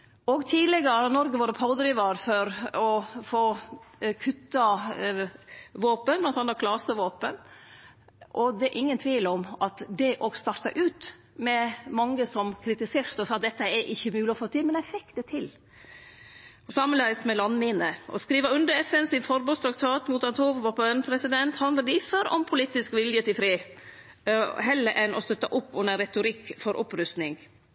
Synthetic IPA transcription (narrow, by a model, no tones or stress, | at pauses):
ɔɡt̪ʰiːlɛɡəɾəhɑɾnɔɾɡəʋɑːɾəpʰɑʊd̪ɾiːʋɑɾfɔɾɔfoːkʰʉt̪ːɑ | ʋoːpənblɑnt̪ʰɑnɑkʰlɑsəʋoːpən | ʔɔd̪ɛʔɪŋːənt̪ʰʋiːləɔmʔɑt̪d̪ɛʔɔɡst̪ɑɾʈ̪ɑʔʉːt̪ | mɛmɑŋːəsɔmkʰɾɪt̪ɪseːɾt̪əɔsɑt̪̚d̪ɛt̪ːəɛɾʔɪçːəmʉːlɪɔfoːt̪ɪlmɛnæɪfɪkd̪̥ɛt̪ʰɪl | sɑmːənæɪst̪mɛlɑnmɪnəʔɔ̰skɾiːʋəɾʉnd̪əɾɛfɛnsɪnfɔɾboːst̪ɾɑk̚t̪ʰɑːt̪muːt̪ɑnt̪ʰoːʋʋɔpnpʰɾɛsɪd̪ɛnt̪hɑnd̪əd̪ɪføɾɔ̰mpʰʊliːt̪ːɪskʋɪljət̪ɪlfɾiː | ɦɛlːəʔɛnʔɔ̰st̪œt̪ːɑʔʊpːʉnəɾɛt̪ʊɾɪkːfɔɾʔɔ̰pɾʉst̪nɪŋ